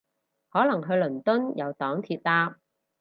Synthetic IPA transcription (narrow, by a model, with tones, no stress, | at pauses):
hɔː˨˥lɐ˨˩ŋɦɵ˧ɥlɵ˨˩nt̪ɵ˥njɐ˨˧wt̪ɔː˨˥ŋt̪ʰiː˧t̚laː˧˥p̚